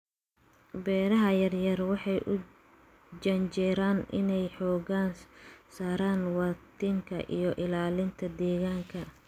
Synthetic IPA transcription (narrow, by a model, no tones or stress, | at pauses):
bɛːɾɐɦɐjɐrjɐrwɑħɑjʔʊ | d͡ʒɐnt͡ʃɛɾaːnʔɪnɛjħɔːɣaːnsaːɾaːnwɑːt̪ʰɪŋkʰɐ̰ʔḭjɞʔɪlaːlɪnt̪ʰɐd̪ɛːɣaːŋkʰɐ